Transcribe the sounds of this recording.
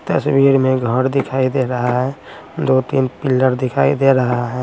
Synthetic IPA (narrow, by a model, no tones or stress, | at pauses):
t̪əswiːɾmẽɡʱəɾd̪ɪkʰaːid̪eɾəɦaɦɛ | d̪ot̪iːnpɪlːəɾd̪ɪkʰaːid̪eɾəɦaɦɛ̃ː